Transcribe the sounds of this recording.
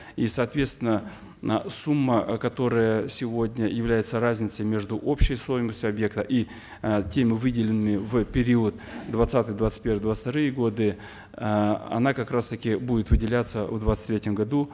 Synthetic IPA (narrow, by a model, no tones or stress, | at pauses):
isɐːt̪vʲe̞t̪st̪vʲɪnːə | sumːəkɐt̪o̞ɾəjəsʲɪvodʲnʲəjɪvlʲæjɪt̪sərazʲnʲɪt̪səjmʲe̞ʐd̪uʔo̞pɕɪjst̪ojɪməsʲtʲʊɐbje̞k̚t̪əʔi | tʲemʲɪvɨdʲɪlʲɪnːɨmʲɪvpʲɪɾʲiʊət̪d̪vɐt̪sat̪ɨjd̪vat̪ɨ̥t̚ʲpʲe̞rvəɨjd̪vat̪sɨ̥t̪ɐɾɨjəɡod̪ɨ | ɐ̰nakɐkɾast̪əkʲɪbudʲɪt̪vɨdʲɪlʲat̪səvd̪vat̪sɨ̥t̪ʲɾʲetʲːɪmɡɐd̪u